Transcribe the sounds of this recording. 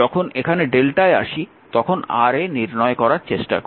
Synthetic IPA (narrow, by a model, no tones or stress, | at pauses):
ɔkʰonekʰaneɖelʈaea̰ʃi | t̪ɔkʰona̰ɾeniɾnɔekɔɾaɾt͡ɕeʃʈa̰k